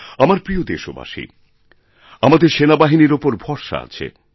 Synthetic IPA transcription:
amaɾpɾiod̪eʃoba̰ʃḭ | amad̪eɾʃenabaɦiniɾopoɾbʱɔɾʃa̰a̰t͡ɕʰḛ

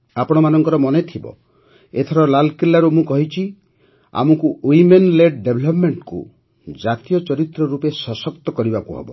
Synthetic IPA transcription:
apɔɽ̃ɔmanɔŋkɔɾɔmɔnet̪ʰibɔ̰ | et̪ʰɔɾɔlalkilːaɾumũkɔɦit͡ʃʰi | a̰mɔkuwimenleɖɖebʱlɔpmeɳʈkṵ | d͡ʒat̪ijɔt͡ʃɔɾit̪ɾɔɾupesɔsɔkt̪ɔkɔɾibakuɦḛbɔ̰

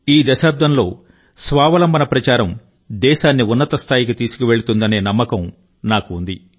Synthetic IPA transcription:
iːd̪ɐʃaːp̚d̪ʱɐnlo̞ː | sʋaːʋɐlɐmbɐnɐpɾɐt͡ʃaːɾɐm | d̪ɛːʃaːnːiunːɐt̪ɐst̪ʰaːjikit̪iːsu̥kiʋe̞ɭut̪und̪ɐne̞ːnɐmːɐkɐm | naːkuːnd̪i

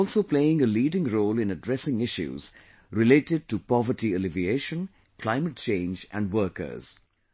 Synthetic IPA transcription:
ɔlˠsoːpleɪɪ̃ŋəliːɖɪ̃ŋɾoːlɪ̃nəɖɾɛsɪ̃ŋɪʃjṵz̥ | ɾɪleːʈɪɖ̚ʈupɔʋəɾʈiəlɪvieːʃə̃n | kʰl̥ãɪməʈ̚t͡ʃẽɪ̃nd͡ʒæ̰̃ɳɖwəːkə̰z̥

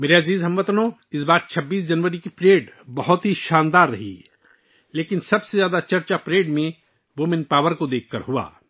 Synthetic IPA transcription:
meːɾeɐziːzɦɐmʋɐt̪nõ | ɪsbaːɾt͡ʃʰɐbːiːs̬d͡ʒɐnʋəɾikipɾeːɖbɐɦʊt̪ɦiʃaːnd̪aːɾːɐɦḭ | leːkɪnsɐbsezjaːd̪at͡ʃɐɾt͡ʃapɾeːɖmẽ | ʋomɪnpaːʋəɾkod̪eːkʰːə̰ɾɦua̰ː

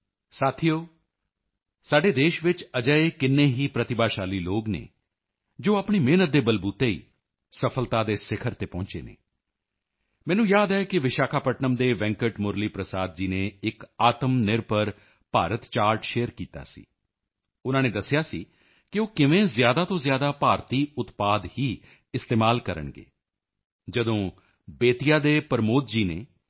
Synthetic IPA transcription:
saːt̪ʰijoː | saːɖeːd̪eːʃʋɪt͡ʃəd͡ʒəekɪnːeːɦiːpɾət̪ɪbaːʃaːliːloːɡnḛː | d͡ʒoːaːpɳ̃iːmeːnət̪̚d̪eːbəlbuːt̪eḭː | səpʰəlt̪aːd̪eːsɪkʰəɾt̪eːpɔ̃ːɲt͡ʃḛːnḛː | mɛ̃ːnũːjaːd̪ɛːkɪʋɪʃaːkʰaːpəʈnəmd̪eːʋɛ̃ːŋkəʈmʊɾliːpɾəsaːd̪̚d͡ʒiːnẽːɪkaːt̪əmnɪɾpəɾ | paːɾət̪t͡ʃaːɾʈʃeːəɾkiːt̪a̰ːsḭː | ʊnãːneːd̪əsːɪjaːsiː | kɪoːkɪʋẽːzjaːd̪aːt̪õːzjaːd̪aːpaːɾt̪iːʊt̪paːd̪hiː | ɪst̪eːmaːlkəɾə̰ɳɡḛː | d͡ʒəd̪õː | beːt̪ijaːd̪eːpəɾmoːt̪̚d͡ʒiːneː

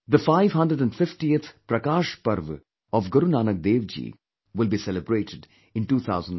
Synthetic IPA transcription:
d̪əfaɪʋɦʌ̃nɖɾəɖæ̃nɖfɪfʈiet̪ʰpɾɐkaːʃpʌɾʋ | ɔʋɡəɾunaːnəɡ̚d̪eːʋd͡ʒḭː | ʋɪlbisɛləbɾeːʈɪɖ | ɪ̃nʈuːt̪ʰa̰ʊzə̃n

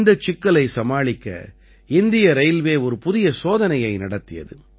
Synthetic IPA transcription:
nd̪ɐt͡ʃːɪkːɐɭɐɪsɐmaːɭɪkːɐ̰ | ɪnd̪ɪjɐɾɐɪlʋeːɔɾɯpʊðɪjɐsoːðɐnɐjɐɪnɐɽɐt̪ːɪjɐ̰ðɯ

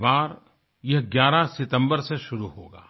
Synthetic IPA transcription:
baːɾ | jɐɦɡjaːɾasɪt̪ə̃mbəɾseʃʊɾuɦoːɡa̰ː

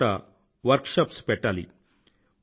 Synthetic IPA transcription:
a̰ | ʋɐɾkʂapspɛʈːalḭ

